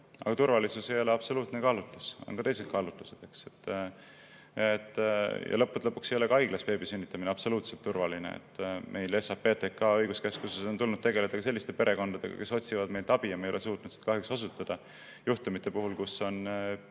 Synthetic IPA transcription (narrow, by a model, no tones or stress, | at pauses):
ʔɑ̰ɡ̥ɑt̪urvɑlisuse̞jo̞le̞ɑb̥so̞luːt̪nekɑːlut̪luso̰nkɑt̪e̞jse̞t̪̚kɑlut̪lused̪̥ekset̪ː | et̪ːˑjɑ̰lɤ̞pːˑut̪lɤpːuksejo̞lekɑɑjɡ̥lɑspe̞ːbisynʲːit̪ːˑɑmineɑb̥so̞luːt̪se̞lt̪ːurvɑlinḛḛt̪ːˑmʔe̞jlesɑp̚pːe̞ːt̪ekːɑːɤ̞jɡuskeskuseso̞nt̪ulnud̪̚t̪e̞ɡe̞le̞d̪ɑkɑse̞lːist̪e̞pe̞ɾʔe̞ko̞nd̪̥ɑd̪̥e̞ɡ̥ɑ̰ke̞so̞t̪ʲsivɑd̪me̞jlt̪ɑb̥ijɑmejo̞les̬uːt̪nud̪̥si̥t̪kɑɦjuksosut̪ːˑɑd̪̥ɑ | juht̪umit̪ˑːe̞puɦulkuso̞n